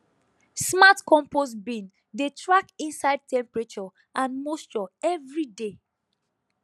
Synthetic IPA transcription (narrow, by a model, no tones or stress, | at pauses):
smatkɔ̃mposbĩn | detʰɹakĩnsaɪd̚tɛ̃mpɹet͡ʃɔ | ʔãnmost͡ʃɔɛvɹide